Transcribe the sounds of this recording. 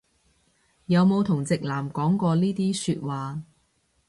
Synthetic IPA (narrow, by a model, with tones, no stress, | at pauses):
jɐ˨˧wmo˨˧wt̪ʰʊ˨˩ŋt͡sɪ˨k̚laː˨˩mkɔː˨˥ŋkɔː˧liː˥t̪iː˥syː˧t̚waː˨˧